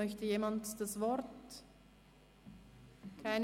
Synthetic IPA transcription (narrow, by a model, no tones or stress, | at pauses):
œçtəjeːmantd̥asvɔɾt | kʰaɪn